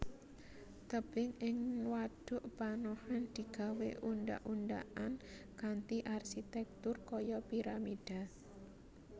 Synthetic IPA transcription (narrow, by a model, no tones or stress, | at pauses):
t̪əb̥ɪŋɪŋwaɖ̥ʊ̤ʔpanɔhand̪̥i̤ɡ̥a̤wḛʔunɖa̰ʔunɖa̰ʔan | kant̪iʔarsit̪ɛk̚t̪ʊrkɔjɔpiɾamid̥a̤